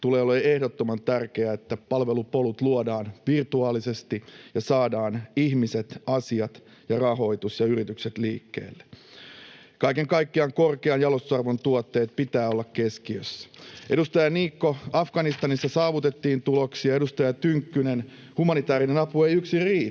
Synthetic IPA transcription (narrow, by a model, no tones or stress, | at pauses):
t̪uleːoleehdot̪ːomɑnt̪ærke̞æet̪ːæpɑlʋe̞lupo̞lut̪luodɑːnʋirt̪uɑːlise̞st̪ijɑsɑːdɑːnihmise̞t̪ɑsiɑt̪ | jɑrɑɦo̞jt̪usjɑyɾit̪ykset̪lḭːkːḛːlːe | kɑikeŋkɑjkːiɑŋkorkeɑnjɑlost̪u̥ɑrʋont̪uot̪ːe̞ːt̪̚pit̪æːolːɑkkeskiøsːæ̥ʔe̞dust̪ɑjɑniːkːo̞ɑfɡ̥ɑnist̪ɑnisːɑsɑːʋut̪et̪ːiːnt̪uloksiɑedust̪ɑjɑt̪yŋkːynen | humɑnit̪æːɾinenɑpuejyksiriː